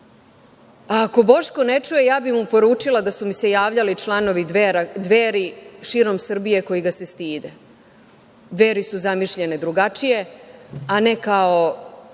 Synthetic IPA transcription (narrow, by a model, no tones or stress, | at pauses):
aːko̞bo̞ʃko̞net͡ʃuje̞jaːbimupoɾuːt͡ʃilad̪asumise̞jaːʋʎalit͡ʃlˠano̞ʋiɾad̪ʋeːɾiʃiːɾo̞msr̩bije̞ko̞jiɡase̞st̪iːd̪e̞ | d̪ʋe̞ːɾisuzamiʃʎe̞ned̪ɾuɡat͡ʃije̞ane̞kao̞